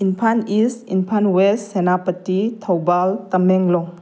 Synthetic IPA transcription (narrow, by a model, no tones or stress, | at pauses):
inpʰanistinpʰanwessenapətːitʰawbaltɐmeŋlɔŋ